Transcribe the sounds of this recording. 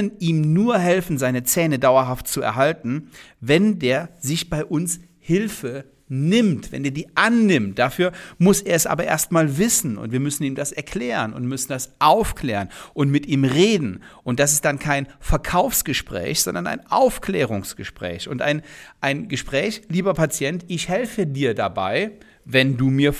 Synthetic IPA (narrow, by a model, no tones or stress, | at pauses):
nʔiːmnuːɐɦɛlfn̩zaɪnət͡sɛːnədaʊɐɦaft̚t͡suɛ̰ɐɦaltn̩vɛndeːɐzɪçb̥aɪʔʊns | hɪlfə | nɪmtv̥ɛ̰ndeːɐdiːʔanːɪmt̚d̥afyːɐmʊsʔeːɐɛsʔa̰ːbɐʔḛːɐstmaːlvɪsn̩ʊ̰ntv̥iːɐmʏsn̩iːmdasɛɐkʰl̥ɛːʁənʊ̰ntmʏsn̩d̥asʔaʊfkʰl̥ɛːʁənʔʊntmɪtʔiːmʁeːdn̩ | ʔʊnt̚d̥as̬ɪst̚d̥ankʰaɪnfɛɐkʰaʊfsɡ̥əʃpʁ̥ɛ̰ːçz̥ɔ̰ndɐnʔa̰ɪnʔa̰ʊfklɛːʁ̞ʊŋsɡ̥əʃpʁ̥ɛ̰ːçʊntʔa̰ɪnʔaɪnɡəʃpʁ̥ɛːçliːbɐpʰat͡sjɛntɪçhɛlfədiːɐdabaɪ | vɛnduːmiːɐ